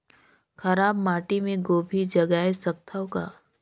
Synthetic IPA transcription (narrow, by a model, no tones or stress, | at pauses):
xʰɐɾaːbmaːʈimẽɡoːbʱid͡ʒɐɡaːesɐk̚t̪ʰaoka̰ː